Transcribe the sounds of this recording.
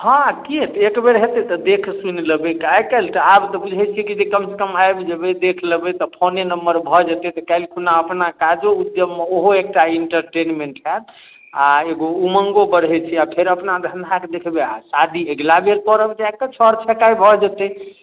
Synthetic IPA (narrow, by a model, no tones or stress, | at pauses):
ɦãkiet̪ekbeɾɦet̪ɛt̪ɔd̪ekʰsunləbekaekalt̪ɔabt̪ɔbud͡ʒʱɛt͡ʃʰikid͡ʒekəmse̥kəmajbd͡ʒəbed̪ekʰləbɛt̪ɔpʰonenəmbəɾbʱɔd͡ʒət̪ɛt̪ɔkalkunaəpnakad͡ʒoud̪jəbmeoɦoek̚ʈaiɳʈəɾʈenmeɳʈɦɛt̪ | aeɡouməŋɡobəɾɦɛt͡ʃʰiapʰeɾəpnad̪ʱənd̪ʱaked̪ekʰbea̰sad̪ʱieɡlabeɾpɔɾəbd͡ʒajk̚t̪ɔt͡ʃʰɔɾt͡ʃʰɛkajbʱɔd͡ʒət̪ɛ